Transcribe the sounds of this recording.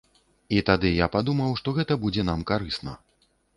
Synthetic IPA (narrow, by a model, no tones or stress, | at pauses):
it̪ad̪ɨjapad̪umɐwʂt̪ɔɣɛt̪ɐbud͡zʲɛn̪amkaɾɨsnɐ̰